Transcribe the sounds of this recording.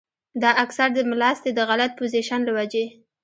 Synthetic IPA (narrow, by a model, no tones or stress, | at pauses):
d̪ɑʔaksaɾd̪əmlɑst̪ed̪əɣalat̪̚poziʃanlawad͡ʒe